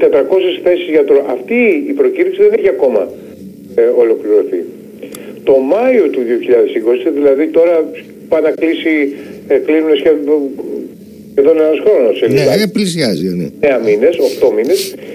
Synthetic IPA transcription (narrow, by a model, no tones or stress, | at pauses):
t̪e̞t̪ɾɐko̞sesθe̞sizʝɐt̪oʔɐft̪iːpɾo̞ciɾiksiðe̞ne̞çiɐko̞mɐ̰ | o̞lo̞kliɾo̞θi | t̪o̞mɐio̞t̪uðio̞çiʎɐðe̞siko̞siðilɐðit̪o̞ɾɐ | pɐnɐklisiklinunesçe | çeðonenɐsxɾo̞nosselieplisjɐzineneɐmine̞so̞xt̪o̞mine̞s